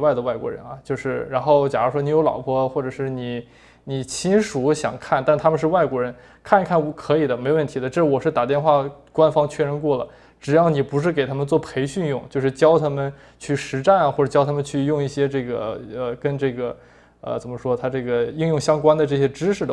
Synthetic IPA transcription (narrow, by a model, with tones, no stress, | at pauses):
wa˥˩ɪd̪ə˩wa˥˩ɪkwɔ̰˧˥ɻə̰˧˥nɐ˧t͡ɕjo˥˧ʊʂɻ̩˥˩ɻa˧˥nxo˥˩ʊt͡ɕja˨˩a˥ʂwɔ˥ni˧˥jo˧˥ʊlɑ̰˨˩ʊpʰwɔ˥xwɔ˥˩ʈ͡ʂɤ˨˩ʂɻ̩˥˩ni˨˩˦ | ni˨˩t͡ɕʰi˥nʂu˧˥ɕjɑ̰˨˩ŋkʰa˥˩nt̪a˥˩nt̪ʰa˥mə˧nʂɻ̩˥˧wa˥˩ɪkwɔ˧˥ɻə˧˥n | kʰa˥˧ni˧˥kʰa˥˩n˧˥kʰɤ˧˥i˨˩d̪ə˦me˧˥o˧wə˥˩nt̪ʰi˧˥d̪ə˧ʈ͡ʂɤ˥˩ʂɻwɔ˨˩ʂɻ̩˥˩t̪a˨˩t̪jɛ˥˧nxwa˥˩kwa˥nfɑ˥ŋt͡ɕʰɛ˥˧ɻə˧˥nkwɔ˥˩lə̰˩ | ʈ͡ʂɻ̩˨˩jɑ˥˩ʊni˨˩pu˧˥ʂ̬ɻ̩˥˩k̬e˨˩ɪt̪ʰa˥mə˨nt͡swɔ˥˩pʰe˧˥ɪɕy˥˧njʊ˥˩ŋt͡ɕjo˥˧ʊʂɻ̩˥˩t͡ɕjɑ˥ʊt̪ʰa˥mə˨n | t͡ɕʰy˥˩ʂɻ̩˧˥ʈ͡ʂa˥˩n˨˩xwɔ˥˩˨t͡ɕjɑ˥ʊt̪ʰa˥mə˨nt͡ɕʰy˥˧jʊ˥˧ŋi˥˩ɕjɛ˥ʈ͡ʂɤ˥˩ɡə̰˩ə˧kə˥nʈ͡ʂɤ˥˩ɡə˩ | ə̰˧t͡sə˨˩nmə˧˦ʂwɔ˥t̪ʰa˥ʈ͡ʂɤ˥˩ɡə˩i˥˧ŋjʊ˥˩ŋɕjɑ˥ŋkwa˥nd̪ə˨ʈ͡ʂɤ˥˩ɕ̬jɛ˥ʈ͡ʂɻ̩˥ʂɻ̩˥˩d̪ə